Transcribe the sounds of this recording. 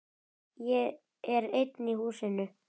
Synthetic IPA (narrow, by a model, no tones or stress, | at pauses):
jɛ | ɛɾejt̪nihuːsɪnʏ